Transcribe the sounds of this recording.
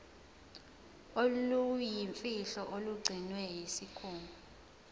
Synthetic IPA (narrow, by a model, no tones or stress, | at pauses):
olujjiɱfiɬɔʔoluɡ͡ǀʱinwɛjisikʰuːmu